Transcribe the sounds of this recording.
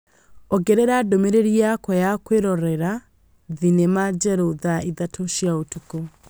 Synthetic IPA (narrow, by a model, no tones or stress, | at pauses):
ɔɡɛɾeɾadomeɾeɾiakɔjakweɾɔɾɛɾa | ðinemad͡ʒɛɾoðaiðatʰoʃiaotuko